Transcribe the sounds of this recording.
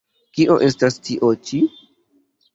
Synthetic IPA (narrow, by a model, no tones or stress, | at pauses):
kiʔo̞ʔe̞stastʰiʔot͡ʃi